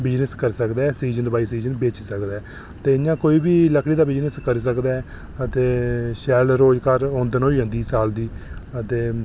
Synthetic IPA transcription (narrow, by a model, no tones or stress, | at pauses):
bɪd͡ʒnəskəɾiːsəkd̪aːɛːsiːzənbaːiːsiːzənbeːt͡ʃiːsəkd̪aːɛː | t̪eːɪjãːkoːiːbiːləkʰɽiːd̪aːbɪd͡ʒnəskəɾiːs̬əkd̪aːɛː | ət̪eːʃɛːlɾoːd͡ʒkəɾõːnd̪ənoiːɦə̃nd̪iːsaːld̪iːət̪eː